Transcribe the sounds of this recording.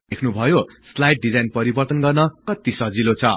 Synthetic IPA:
ekʰnubʱʌjo | slajʈ̚ɖid͡zajnpʌɾibʌrt̪ʌnɡʌrnʌkʌt̪isʌd͡zilot͡sʰʌ

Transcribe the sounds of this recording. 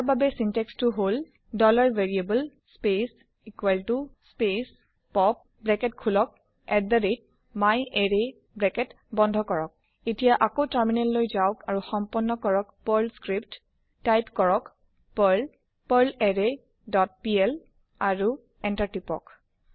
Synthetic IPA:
aɹbabɛsintɛkstuɦol | dɔlaɹveɹiebəlspes | ikwaltuspes | pɔp̚ | bɹɛkɛtkʰulɔk̚ | ɛt̚daɹet̚ | majeɹe | bɹɛkɛt | bɔndʱɔkɔɹɔk̚ | etijaʔakotəɹminɛllojzaʊkaɹuxɔmpɔnːɔkɔɹɔkpɔɹlskɹipt | tajpkɔɹɔk | paɹl | pəɹlɛɹe | dɔt̚piɛl | aɹu | ɛntaɹtipɔ̰k

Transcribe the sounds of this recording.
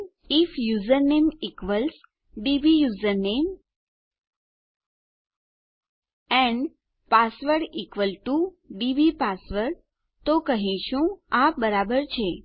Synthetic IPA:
ifjuzəɾnemikʋəls | ɖibijuzəɾnem | ɛ̃ɳɖ | pasʋəɾɽikʋəlʈu | ɖibipasʋəɾɽ | t̪okəɦĩʃũabəɾabəɾt͡ʃʰe

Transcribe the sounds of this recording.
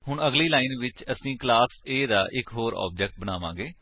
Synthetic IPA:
hʊɳəɡliːlaːɪnʋɪt͡ʃəsĩːklaːseːd̪aːʔɪkɦoːɾɔ̰ːb̚d͡ʒɛk̚ʈ̚bənaːʋã̰ːɡeː

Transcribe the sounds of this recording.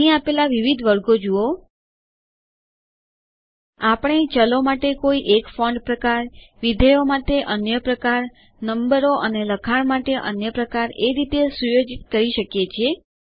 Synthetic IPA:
ĩapelaʋiʋid̪ʱʋəɾɡod͡ʒuo | apəɽ̃et͡ʃəlomaʈekoiʔekfɔ̃ɳɖpɾəkaɾʋid̪ʱəjomaʈeʔənjəpɾəkaɾ | nəmbəɾoʔəneləkʰaɳmaʈeʔə̰njəpɾəkaɾeɾit̪esujod͡ʒit̪kəɾiʃəkjet͡ʃʰe

